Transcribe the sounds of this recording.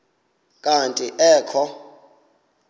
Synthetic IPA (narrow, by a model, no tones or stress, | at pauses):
kʼantʼiʔɛːkʰɔ